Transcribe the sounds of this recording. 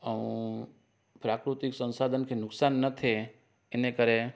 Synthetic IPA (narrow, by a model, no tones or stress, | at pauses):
əũ | pɾaːkɾut̪ɪksə̃nsaːd̪ʱənkʰenʊksaːnːət̪ʰe | ɪnekəɾe